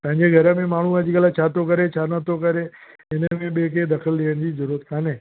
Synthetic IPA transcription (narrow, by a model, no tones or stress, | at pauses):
pɐ̃ɦɪ̃ɲd͡ʑeɡʱɐɾəmẽmaːɳ̤ũɐd͡ʑɪkəlat͡ɕʰaːt̪okəɾet͡ɕʰaːnət̪okəɾe | ɪnəmẽɓek̬ed̪ɐkʰəld̪iəñɪ̃d͡ʑiːzəɾuɾət̪kʰaːneː